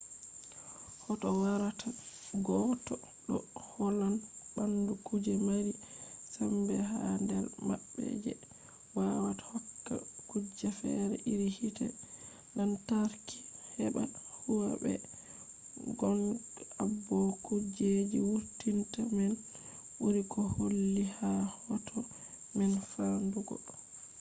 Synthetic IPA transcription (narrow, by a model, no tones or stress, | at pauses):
hɔtɔwaɾatʰaɡɔtɔ | ɗɔhɔlanbandukud͡ʒɛmaɾisambɛɦandɛlmaɓːɛ̰d͡ʒɛ̰ | wawatḁhɔkːa̰kud͡ʒːafɛ̰ɾɛ̰ʔiɾihitɛ̰ | dantaɾki̥hɛbahuwabɛ̰ | ɡɔnabːɔkud͡ʒed͡ʒiwuɾtintamɛn | buɾikɔholːihahɔtʰɔ | mɛnfanduɡɔ̰